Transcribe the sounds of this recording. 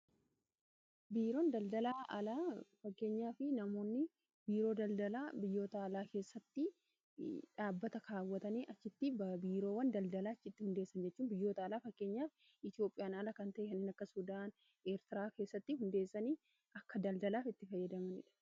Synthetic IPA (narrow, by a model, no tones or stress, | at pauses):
biːɾo̞ːnd̪ɐld̪ɐlaːʔɐlaːfɐkːe̞ːɲːaːfɪnɐmo̞ːnːɪ | biːɾo̞ːd̪ɐld̪ɐlaːbɪjːo̞ːt̪ɐːlaːke̞ːsːɐt̪ːɪ | ᶑaːbːɐt̪ɐkʰaːwːɐt̪ɐniːʔɐt͡ʃːɪt̪ːɪbɐbiːɾo̞ːwɐnd̪ɐld̪ɐlaːt͡ʃːɪt̪ːɪhʊnd̪eːsːɐnd͡ʒɛt͡ʃːuːnbɪjːo̞ːt̪ɐːlaːfɐkːe̞ːɲːaːf | ɪt̪ɪo̞ːpʼːɪjaːnɐlakɐnt̪ɐʔɛkɐnːiːnɐkːɐsʊd̪aːn | eːɾt̪ɪɾaːke̞ːsːɐt̪ːɪhʊnd̪e̞ːsːɐniː | ʔɐkːɐd̪ɐld̪ɐlaːfɪt̪ːɪfɐjːɐd̪ɐmɐnɪ̰ᶑɐ̥